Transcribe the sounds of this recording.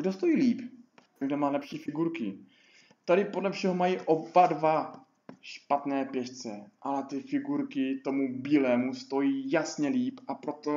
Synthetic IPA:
ɡdost̪o̞jiːliːp | ɡdomaːlɛpʃiːfɪɡuɾkɪ | t̪adɪpodlɛfʃɛɦomajiːʔobadva | ʃpat̪nɛːpjɛʃt͡sɛʔalɛt̪ɪfɪɡuɾkɪt̪o̞mubiːlɛːmust̪o̞jiːjasɲɛliːpʔapɾo̞t̪o

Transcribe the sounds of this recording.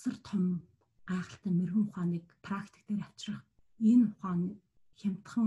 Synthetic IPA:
sə̆rt̪ʰœm | æːχə̆ɬt̪æːmerɣɘ̆ŋχʊχaːniːkpʰrakt̪ʰĭ̥k̚t̪eːɾḁt͡ɕrə̆χ | enʊχaːŋ | xʲam̥ʲt̪χə̆ŋ

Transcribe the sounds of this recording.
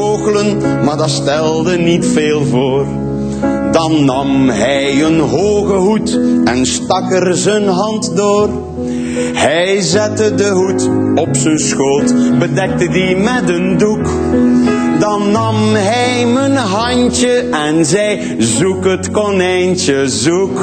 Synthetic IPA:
oːɣələnmaːrdɑstɛlˠdənitfeːlˠvoːr | dɑnːɑmɦɛjənɦoːɣəɦutɛnstɑkərzənɦɑntdoːr | hɛjzɛtədəɦut | ɔpsənsxoːlˠtbədɛk̚tədimɛtənduk | dɑnːɑmɦɛjmənɦɑnt͡ʃəɛnzɛj | zukɦətkɔnɛjntəzuk

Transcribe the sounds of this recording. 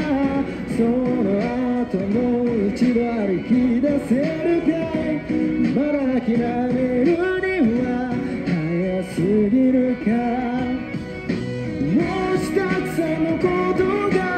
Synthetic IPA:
sonoat̪omoit͡ɕibaɾikʲid̪aseɾɯt̪a | maɾakʲinaɾeɾɯneːahajasiɡiɾɯ̟ka | moɕi̥kaksamokot̪oɡa

